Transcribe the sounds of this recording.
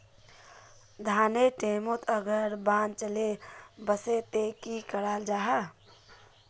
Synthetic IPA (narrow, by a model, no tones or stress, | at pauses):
d̪ʱaːneʈeːmot̪ʰəɡəɾbãːnt͡ʃəlebəset̪ekikəɽaːld͡ʒaːɦə